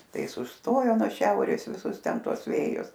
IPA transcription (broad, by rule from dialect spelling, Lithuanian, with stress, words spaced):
ˈtɐɪ ˈɪs ʊʃˈstoːjoː nuɔ ˈʃʲɛʊrʲeːs ʋʲɪˈsʊs ˈtʲɛn ˈtuɔs ˈʋʲeːjʊs